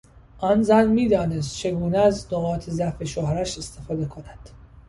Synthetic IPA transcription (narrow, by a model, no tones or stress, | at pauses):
ʔɒnzænmiːd̪ɒːne̞s̬t̪̚t͡ʃʰe̞ɡuːneæznoɣɒːt̪ʰezæfe̞ʃohɾæʃe̞st̪ʰe̞fɒːd̪e̞kʰo̞næd̪̥